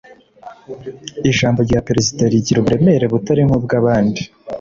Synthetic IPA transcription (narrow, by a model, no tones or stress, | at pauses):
iʃaːmbaɾɟapeɾezidaɾiɟiɾoβuɾe̞me̞ɾeβutaɾiŋ̥hub̚ɡaβaːndi